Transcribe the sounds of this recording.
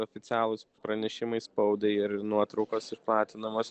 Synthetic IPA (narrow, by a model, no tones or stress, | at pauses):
oːfʲɪt̪ʲɑːlˠʊspɾɐnʲɛʃʲɪmɐɪspɐʊd̪ʲɛɪɪɾnuɔt̪ɾɒʊkosɪʃplˠɑːt̪ʲɪnɐmoːs